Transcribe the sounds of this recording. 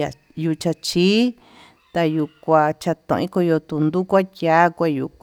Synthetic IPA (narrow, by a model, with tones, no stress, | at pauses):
a˨ | ju˧t͡ʃa˧t͡ʃi˦ | t̪a˧ju˧kʷa˧t͡ʃa˧t̪õ̰˨ʔĩ˦ko˧jo˧t̪u˧nd̪u˦kʷa˦ta˦kʷe˧˨ju˧˨kʷ